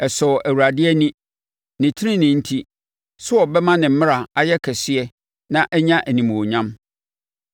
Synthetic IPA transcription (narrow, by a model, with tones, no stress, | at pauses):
ɛ˨sɔ˨ʔæ˨wu˨ɾa˨dɪ˦ɛ˦nĩ˦ | nɪ̃˨tʰɪ˦ɾɪ̃˦nɪ̃˨n̩˦tʰi˦ | sʊ˦ɔ˨bɛ˦mã˦nɪ̃˨m̩˦mɪ̃˦ɾa˨a˨jɛ˦kʰɛ˨sɪ˦ɛ˦ | nã˦ʔɛ˦ɲã˦ʔæ˨nĩ˨m˨o˨ɲã˦m